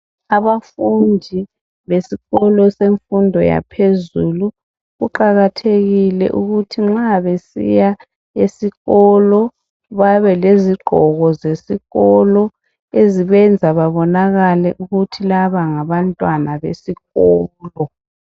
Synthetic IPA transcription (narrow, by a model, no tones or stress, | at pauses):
aβafundʱi | βesiɣɔlɔseɱfundʱɔja̰pʰezulu | ɣuǃaɣatʰeɣilɛ̰ʔuɣutʰiŋ͡ǁaβesḭja | esiɣɔlɔ | βaβɛleziɡ͡ǃʱɔɣɔzesiɣɔlɔ | eziβɛnd͡zʱaβaβɔnaɣalɛʔuɣutʰilaβaŋaβantʼwanaβḛsiɣɔːlɔ